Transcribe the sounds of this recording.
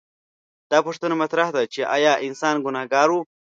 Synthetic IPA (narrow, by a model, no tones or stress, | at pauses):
d̪̥ɑːpʊʂt̪ənamat̪ɾahd̪at͡ʃeʔajɑːʔɪnsɑːnɡʊnɑhɡɑːɾwu